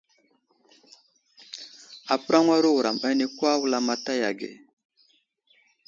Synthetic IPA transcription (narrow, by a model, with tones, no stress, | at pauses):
a˨pə˦ɾa˦ŋwa˦ɾu˦wu˨ɾa˨mba˦ni˦kwa˦wla˦ma˦ta˦ja˨ɡḛ˨